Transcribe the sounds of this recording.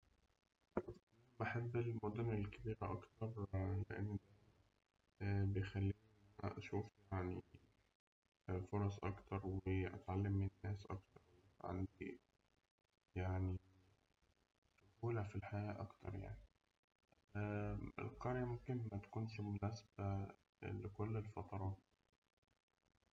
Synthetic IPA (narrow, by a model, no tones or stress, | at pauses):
beħebːelmod̪onelkebiːɾæʔɑkt̪ɑɾˤlḛʔḛnːæ | bejxælːiː | ʔæ̰ʔʃuːfjaʕni | foɾˤɑsˤʔɑkt̪ɑɾˤweʔæ̰t̪ʕalːemːenːæːsʔɑ̰k̚t̪ɑɾˤweʕa̰nd̪i | jaʕni | sʊʔuːlæfilħajæːʔɑkt̪ʰɑ̰ɾˤja̰ʕni | ḛlqɑɾjæmomkenmæt̪æ̥kuːnʃimonæːsb̥æ | lekolːelfɑt̪ˤɑɾˤɑːt̪̚